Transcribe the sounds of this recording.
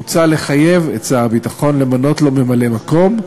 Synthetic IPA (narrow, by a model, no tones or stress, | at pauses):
t͡sale̞χaje̞vet͡sabitaχo̞nle̞mano̞tlo̞me̞male̞mako̞m